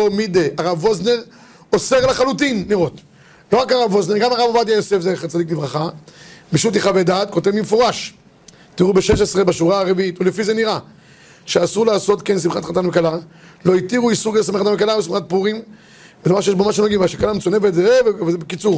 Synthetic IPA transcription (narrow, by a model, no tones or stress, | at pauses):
omid̪eʔaʁavo̞zne̞ʁ | oseʁlaχalutinːiʁo̞t̪ | lo̞ʁakaʁavːo̞zne̞ɡamaʁavavad̪jajosefzeχat͡sad̪iklivʁaχamiʃut̪iχaved̪at̪̚ko̞tevmimefoʁaʃ | tiʁubeʃeʃesʁebaʃuʁaːʁeviitulefizeniʁa | ʃeasuʁlaːso̞tkensimχatχat̪anvekala | lo̞itiʁuisuʁkesameχatavekalaves̬imχat̚puʁim | beamaʁʃejeʃbomaʃenoɡimvaʃekalamet͡sonevet̪zeevevezebekit͡suʁ